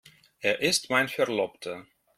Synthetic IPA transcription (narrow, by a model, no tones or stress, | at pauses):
ɛːɐʔɪstmaɪnfɛɹlɔptʰə